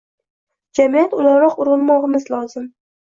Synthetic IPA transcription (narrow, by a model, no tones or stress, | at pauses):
d͡ʒamijat̪ʊlaɾɾɒqʊɾʊnmɒʁɨmɪzlˠɒzɪm